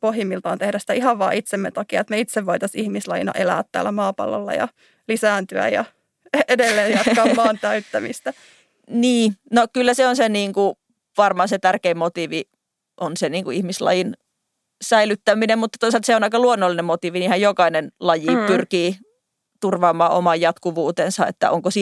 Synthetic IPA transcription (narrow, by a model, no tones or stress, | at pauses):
pohjimːilt̪ɑ̰ːnt̪ehdæsit̪æihɑʋʋɑ̰ːʔit̪semːḛt̪ɑkiɑ̰et̪meit̪seʋʋoit̪ɑsihmislɑjḭnɑ̰ʔelæ̰ːt̪t̪æ̰ːlːˑæmɑːpɑ̰lːo̰lːɑ̰jɑ̰ | lisæːnt̪yæ̰jɑ̰ | edelːeːjɑt̪kɑːmmɑːnt̪æyt̪ːæmist̪æ | niːnokylːæseonseniːŋku | ʋɑrmɑnset̪ærkeimmot̪iʋi | ʔonseniːŋkuihmislɑ̰jin | sæilyt̪ːæminemmut̪ːɑt̪oˑisɑlt̪seonɑikɑluonːolːinemmot̪iʋinihæjjokɑinenlɑjipyrkiː | t̪urʋɑːmːˑɑːʔo̰mɑjjɑt̪kuʋuːt̪ensɑḛt̪ːæ̰ʔoŋkosi